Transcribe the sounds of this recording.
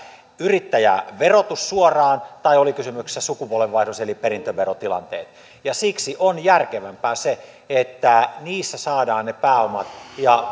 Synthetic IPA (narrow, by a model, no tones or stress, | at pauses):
yrit̪ːæjæ̰ʋerot̪ussuorɑːnt̪ɑiolikysymyksi̥sːæsukupuolʋeʋʋɑisuseliperint̪øʋerot̪ilɑ̰nt̪ḛːt̪ | jɑsiksiʔonjærkeʋæmpæːse | et̪ːæniːsːæsɑːdɑːnnepæːomɑt̪jɑ